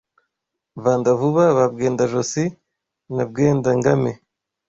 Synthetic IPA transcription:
vaːndavuβaβab̚ɡe̞ːndaʒosi | nab̚ɡeːndaŋɡame

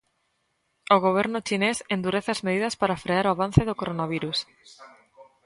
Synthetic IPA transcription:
oɣ̞oβ̞eɾnʊt͡ʃinesend̪uɾeθɪazmeð̞iðɐspaɾafɾeaɾoaβ̞an̟θeðokoɾonaβ̞iɾus

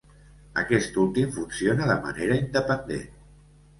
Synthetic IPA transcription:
ə̰kɛst̪ulˠt̪imfunsionəðəmə̰neɾəind̪əpənd̪ḛn

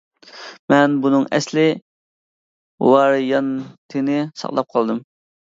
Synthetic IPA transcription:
mɛnbunɨŋɛ̰slɪ | wɑɾjɑnt̪ʰɨnɪsɑ̰χlˠɑp̚qʰɑlˠd̪ɨm

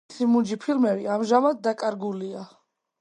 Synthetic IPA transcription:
simud͡ʒipʰilmɛviamʒamad̪̚d̪akʼaɾɡulia

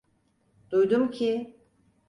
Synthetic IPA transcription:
d̪̥ujd̪umcʰi

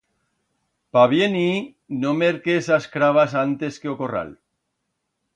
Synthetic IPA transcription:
paβjeni | nomeɾkesaskɾaβ̞asant̪e̞skeoko̞ra̰l

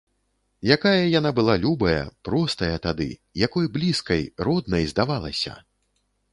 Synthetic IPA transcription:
jakajɐjanabɨlˠalʲubɐjɐ̰pɾɔst̪ɐjɐt̪ad̪ɨ̰jakɔjblʲiskɐjrɔd̪nɐjzd̪avalˠɐ̰sʲɐ̰

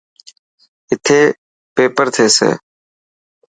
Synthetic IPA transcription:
ɪt̪ʰeː | peːpəɾt̪ʰeːsḛː

